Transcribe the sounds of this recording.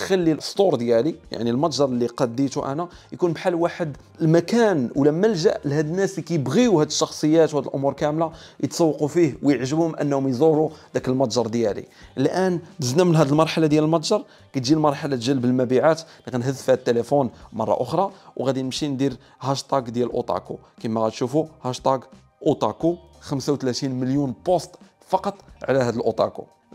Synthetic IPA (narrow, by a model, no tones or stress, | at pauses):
t̪xælːilʔəst̪ˤoɾˤd̪jælija̰ʕnilmɑt̪ˤʒɑɾˤlːiqɑd̪ːit̪uʔæ̰næ | jkunbħalːwaħəd̪ | əlmækænwlæməlʒæʔlhæd̪ənːæslikæjəbɣiuhæd̪əʃːɑxsˤəjːæt̪whæd̪əlʔʊ̰muɾkæmlajət̪sˤɑwːɑqufihwjəʕʒəbhʊmʔə̰nːhʊmjzˤuɾud̪ækəlmɑt̪ˤʒɑɾˤd̪jælḭlʔænt̪əznæmənɦæd̪əlmɑɾˤħalad̪jæləlmɑt̪ˤʒɑɾˤ | kæt̪ʒilmɑɾˤħalat̪ʒəlːbəlmæbiʕat̪nikænɦəzːfihæd̪ət̪ːelefunmɑrˤːɑ̰ʔʊxɾˤɑwɣæd̪inəmʃind̪iɾ | hæʃt̪ˤɑɡd̪jælʔṵt̪ˤɑ̰kṵ | kimːæɣæt̪ʃufuhɑʃt̪ˤɑɡ | ʔut̪ˤɑkuxəmsawt̪læt̪inməljunbost̪ | fɑqɑt̪ˤʕlæhæd̪əlʔot̪ˤɑ̰kṵ